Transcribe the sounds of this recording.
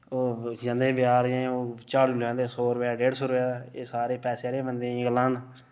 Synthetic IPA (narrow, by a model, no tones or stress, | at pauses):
oːd͡ʒə̃nd̪eːbjaːɾẽːoːt͡ʃaːɽlãːd̪eːsoːɾəpaːɖeːɖsoːɾəpjaːeːsaːɾeːpɛːseːɾeːbənd̪ẽːɡlaːn